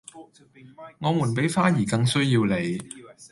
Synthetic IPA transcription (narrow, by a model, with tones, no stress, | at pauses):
ŋɔː˨˧muː˨˩npe˨˥jfaː˥jiː˨˩kɐ˧ŋsɵ˥jiː˧wle˨˧j